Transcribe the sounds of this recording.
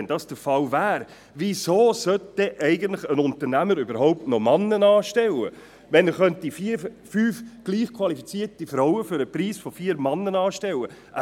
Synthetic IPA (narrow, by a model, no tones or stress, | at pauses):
ndɑsd̥əɾfɑlvæːɾ | ʋisoːsœt̚d̥ɛʔɛɪɡən̩tlɪχənʊnt̪əɾnæməɾybəɾɦɔʊp̚tnɔmɑnːənɑːʃtɛlə̰ | ʋɛnəχœntifiːfyːfɡ̥liːχkʰwɑlifit͡siːəɾtifɾɔʊəfʏɾəpɾiːsfɔfiːəɾmɑnːənɑːʃtɛləʔə